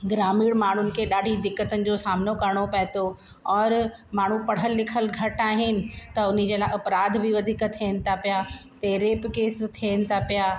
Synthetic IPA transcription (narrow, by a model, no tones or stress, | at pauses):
ɡɾaːmiːɽmaːɳ̤ʊnɪ̆kʰeɗaːɖʱid̪ɪkːət̪ənɪ̆d͡ʑoːsaːmnokɐɾɽ̃opɐɦɪt̪o | ɔːɾmaːɳ̤upɐɽ̤əlːɪkʰəlɡʱɐʈaːɦɪnɪ̆t̪ɐʊnid͡ʑeːlaːɐpɾaːd̪ʱbiʋɐd̪ʱikt̪ʰinɪ̆t̪ʰapijat̪eːɾeːpkeːst̪ʰenɪ̆t̪ʰapijaː